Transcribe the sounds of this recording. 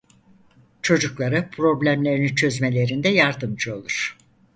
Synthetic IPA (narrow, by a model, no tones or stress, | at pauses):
t͡ʃʰo̞d͡ʒuklˠaɾɯpʰɾo̞blʲæmlʲeɾinit͡ʃʰø̞zme̞lʲe̞ɾind̪ɛjaɾd̪ɯmd͡ʒɯo̞lˠuɾ̥